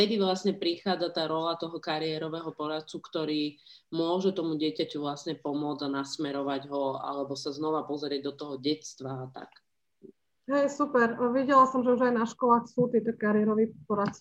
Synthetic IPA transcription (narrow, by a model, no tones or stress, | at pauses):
ft̪ɛd̪iʋlasɲɛpɾixaːd͡zat̪aːɾɔlat̪ɔɦɔkaɾiɛɾɔʋɛɦɔpɔɾat̪̚t͡sukt̪ɔɾiː | mʊɔʒɛt̪ɔmuɟɪɛcacuvlasɲɛpɔmʊɔd͡zanasmɛɾɔʋaɟɦɔa̰lɛbɔsaznɔʋapɔzɾɪɛɟ̚d̪ɔt̪ɔɦɔɟɛt̪st̪ʋaːt̪a̰k | ɦɛjsupɛɾʋiɟɛlasɔmʒɛuʒajnaʃkɔlaːxsuːt̪iːt̪ɔkaɾɪɛɾɔʋiːpɔɾat̪t͡s